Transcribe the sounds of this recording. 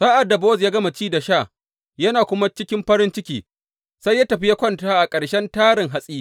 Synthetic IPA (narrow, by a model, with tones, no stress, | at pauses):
saː˦ʔa˨dːa˨bɔː˦zjaː˦ɡɐ˦ma˨t͡ʃiː˦da˨ʃaː˦˨ | jɐ˦naː˨kʷʊ˦ma˦t͡ʃɪ˦kʲɪ˦mɸɐ˦ɾɪ˦nt͡ʃɪ˦kʲiː˨ | sa˦jːaː˦tɐ˨ɸi˦ja˦kʷɔ˦ntaː˦ʔa˨kʼɐ˨ɽʃɛ˦ntaː˦ɾɪ˨ŋɦa˦sʼiː˦